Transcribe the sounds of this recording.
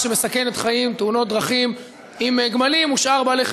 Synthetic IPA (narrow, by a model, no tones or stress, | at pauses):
ʃeme̞sake̞net̪χaimt̪euno̞t̪̚d̪ʁaχim | imeɡmalimuʃʔaʁbaːlejχ